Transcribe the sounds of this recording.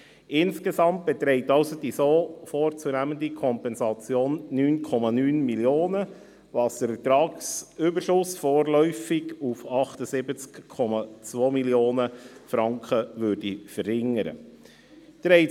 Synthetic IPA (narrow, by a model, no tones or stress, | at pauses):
ɪnskesɑmt̚b̥ɛt̪ɾɛɪtɑʊsod̥isoːfoːɾt͡sunæməndikʰɔmpɛnsɑt͡sjoːnːyːnkʰɔmɑnyːnmiljoːnə | ʋɑːsd̪̥əɾfət̪ɾɑːksybəɾʃʊsfɔːɾlœʏfɪɡufɑχtəsɪbət͡skʰːɔmɑt͡sʋoːmiljoːnəfɾɑŋkχəʋøɾdifəɾhɪŋəɾə̰ | d̪̥ɾɛɪ